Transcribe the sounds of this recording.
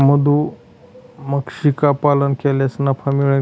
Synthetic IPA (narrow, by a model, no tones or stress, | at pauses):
m̤əd̪ũ | məkʂikapalənkʰeljasnəpʰamiɭə